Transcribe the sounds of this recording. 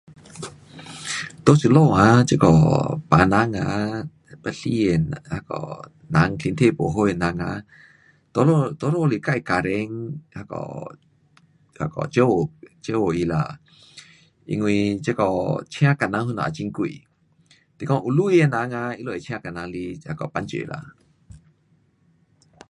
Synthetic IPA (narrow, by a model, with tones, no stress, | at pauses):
t̪o˦sɨ˨˧lo˥˧˨a˧˦t͡ʃe˦˧kɔ̰˨pa˨na˧˦ŋa̰˧˦ | pə˧ɬi˧e˧˨nha˧˦kɔ̰˨ | na˨˧˦ŋɬi˧nt̪ʰe˦˧˨po˨ɦo˧˨je˧˨na˧ŋa̰˧˦ | t̪o˦lo˧t̪o˧˦lo˥˧˨li˧˨ka˧˨i˨ka˨ɾɛ˧˦ŋha˧kɔ̰˨ | ha˧kɔ̰˨t͡ʃe˦o˨t͡ʃe˦o˨i˧˨la̰˧˨ | ʔḭ˧ŋwi˧t͡ʃe˦kɔ˧˨t͡ɕʰĩ˦a˦ka˨na˧˦ŋhu˧˦na˨a̰˨t͡ɕi˧˦ŋku˧˨i˨ | t̪i˧˨kɔ˧˦ŋʔu˧˨lu˦i˧e˧˨na˧˦ŋa˧i˧˦lɔ˧˨e˨t͡ɕʰĩ˧˦a˧ka˨na˧ŋli˧ha˧kɔ˨pa˧˦nt͡ʃḛ˨lʔa̰˧˨